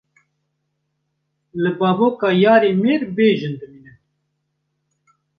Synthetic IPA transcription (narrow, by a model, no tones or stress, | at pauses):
lɨbɑːboːkɑːjɑːɾeːmeːɾbeːʒɨnd̪ɨmiːnɛ